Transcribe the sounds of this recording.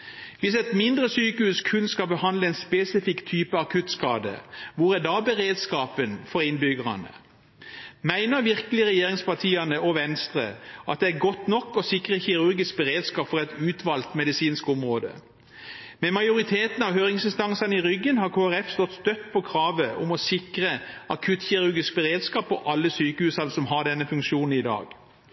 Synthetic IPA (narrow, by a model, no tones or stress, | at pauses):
ʋɪsɛt̪mɪnd̪ʁəsyːkəhʉːskʰʉnskɑbəhɑnd̪ləɛnspesɪfɪkt̪ʰyːpəɑkʰʉt̪skɑːd̪ə̰ʋʊʁæd̪ɑːbəʁeːd̪skɑːpənfɔʁɪnbʏɡəʁɑ̰nə̰ | mæɪnəʁʋɪʁkəlɪəʁɛjeːʁɪŋspɑt̪ʰiːɑnəɔʋɛnst̪ʁə̰ʔɑ̰t̪̚d̪ɛæɡɔt̪nɔkːɔsɪkʁəçɪʁʉʁɡɪsk̚bəʁeːd̪skɑːpfɔʁɛt̪ʉːt̪ʋɑlt̪mɛd̪ɪsiːnskʊmʁoːd̪ə̰ | mɛmɑɪjʊɾɪt̪ʰeːt̪n̩ɑʋɦøːɾɪŋsɪnst̪ɑŋsɑnəɪʁʏɡːənhɑʁkʰoːæʁɛfst̪ɔt̪st̪œt̪ːpʰɔkʰʁɑːʋəʔʊmɔsɪkʁəʔɑkʰʉt̪çɪʁʉʁɡɪsk̚bəʁeːd̪skɑːpʰːɔʔɑlːəsyːkəhʉːsɑlsɔmɦɑɖɛnːəfʉŋkʃuːnn̩ɪd̪ɑ̰ːɡ̥